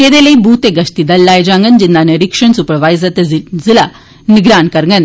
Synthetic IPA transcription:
keːd̪eleibʱuːt̪eɡɐʃt̪id̪ɐlːaːjd͡ʒãːŋɡənd͡ʑind̪aneɾikʂəɳsupəɾʋaːjzɐt̪ezila | niɡɾaːnkɐɾŋɡən

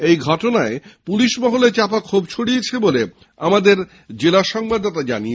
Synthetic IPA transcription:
ejɡʱɔʈonaepuliʃmɔɦolet͡ɕapakʰobt͡ɕʰoɽiet͡ɕʰebole | amad̪eɾ | d͡ʑelaʃɔŋbad̪ɔt̪ad͡ʑanie

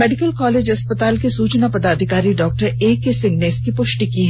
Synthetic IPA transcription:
mɛːɖɪkəlkɔːleːd͡ʒɐspət̪aːlkesuːt͡ʃnapɐd̪aːd̪ʱɪkaːɾiɖɔːk̚ʈəɾeːkːesɪ̃ŋɡneɪskipʊʃʈikiɦɛ

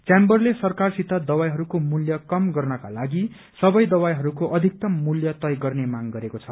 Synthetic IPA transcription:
t͡sjambʌrlesʌrkarsit̪ʌd̪ʌwajɦʌɾukomuljʌkʌmɡʌrnʌkalaɡi | sʌbʌjd̪ʌwajɦʌɾukoʔʌd̪ʱik̚t̪ʌmːuljʌt̪ʌjɡʌrnemaŋɡʌɾekot͡sʰʌ

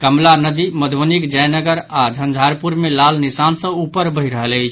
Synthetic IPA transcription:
kəmlanəd̪iməd̪ʱʋənikd͡ʒəjnəɡəɾad͡ʒʱənd͡ʒʱaɾpuɾmelalnisansə̃upəɾbəɦiɾəɦələt͡ʃʰ

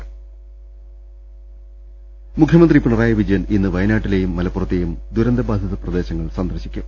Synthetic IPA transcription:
mukʰjɐmɐnd̪ripiɳɐraːjɐʋid͡ʑɐjɐninːɨʋɐjnaːʈːile̞jumːɐlɐpːurɐt̪ːejumd̪uɾɐnd̪ɐbaːd̪ʱjɐðɐprɐd̪e̞ːɕɐŋːɐɭsɐnd̪ɐrɕi̥kʲːum

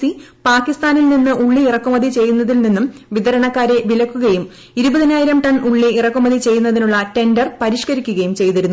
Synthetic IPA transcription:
ipaːkːist̪aːnilninːɨʔuɭːiːrɐkːumɐðit͡ɕe̞jːunːɐðilninːumʋid̪ɐɾɐɳɐkːaːɾe̞ʋilɐkːuɣɐjum | iɾubɐðinaːjiɾɐmʈɐɳuɭːiirɐkːumɐðit͡ɕe̞jːunːɐðinuɭːɐte̞ndɐrpɐɾiʂkɐɾikʲːuɣɐjumt͡ɕe̞jt̪iɾunː

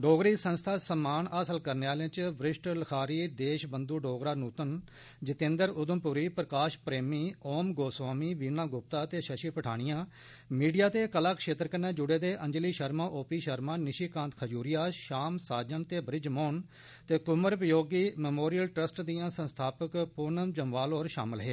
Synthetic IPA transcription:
ɖoːɡɾiːsənst̪ʰaːsəmaːnaːsəlkəɾneːaːlẽãːt͡ʃʋɾɪʃʈləkʰaːɾiːd̪eːʃbənd̪uːɖoːɡɾaːnuːt̪ən | d͡ʒɪt̪ẽːnd̪əɾʊd̪əmpʊɾiːpɾəkaːʃpɾeːmiːoːmɡoːswaːmiːʋiːnãːɡʊp̚t̪aːt̪eːʃəʃiːpəʈʰaːɽ̃ɪjãː | miːɖijaːt̪eːkəlaːkʃeːt̪ɾkənɛ̃ːd͡ʒʊɽeːd̪eːʔəɲd͡ʒliːʃəɾmãːʔoːpiːʃəɾmãːnɪʃiːkãːnt̪kʰəd͡ʒuːɾɪjaːʃaːmsaːd͡ʒənt̪eːbɾɪd͡ʒmoːn | t̪eːkʊməɾpəjoːɡiːmɛmoːɾijəlʈɾəsʈd̪ijãːsə̃nst̪ʰaːpəkpʊnəmd͡ʒəmʋaːloːɾʃa̰ːmɪlɦeː

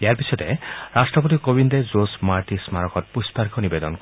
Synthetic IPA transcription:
jaɾpisʰɔt̪ḛɾasʈɾɔp̬ɔt̪̬ikobind̪ed͡ʒosmaɾʈismaɾɔkɔt̚puspaɾikʰɔnibed̪ɔnk

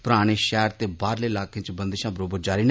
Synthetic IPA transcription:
pʊɾaːɽ̃eːʃɛːɾt̪eːbaːɾleːɪlaːkʰẽt͡ʃbənd̪eʃãːbəɾoːbəd͡ʒaːɾiːn

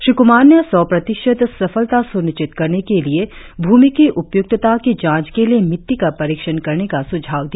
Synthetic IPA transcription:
ʃɾɪkʊmaːɾnjəsɔːpɾɐt̪ɪʃət̪sɐfəlt̪asʊnɪʃt͡ʃɪt̪kɐɾnekelie | bʱuːmikiʔʊpjʊk̚t̪t̪akid͡ʒãːt͡ʃkeliemɪt̪ːikapɐɾiːkʃənkɐɾnekasʊd͡ʒʱaːʋd̪ia

